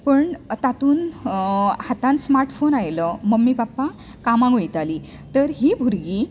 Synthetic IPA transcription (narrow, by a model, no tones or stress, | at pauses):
pəɳt̪at̪uːn | hat̪ãnsmaɾʈfonajləməmːibapːa | kamãŋɡojt̪aliː | t̪əɾɦiːbʱuɾɡiː